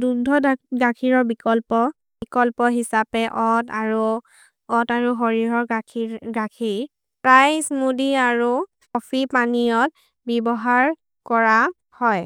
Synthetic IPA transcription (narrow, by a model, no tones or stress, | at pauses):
dudʱɔdɡakʰiɹɔɹbikɔlpɔ | bikɔlpɔɦisapɛʔɔtaɹu | ɔtaɹuɦɔɹiɹɔɹiɡakʰiɹ | pɹajsmudiaɹu | ɔpʰipanijɔt̚ | bɛbɔɦaɹ | kɔɹa | hɔj